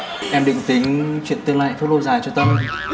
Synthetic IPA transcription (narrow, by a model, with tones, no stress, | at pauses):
ʔɛ˧mɗḭ˧˨ŋ̟t̪ï˨˦ŋt͡ɕwḭ˧˨ənt̪ɨ˧ŋla̰ː˧˨jfo˦˥t̚lo˧zaː˨˩jt͡ɕɔ˧t̪ə˧w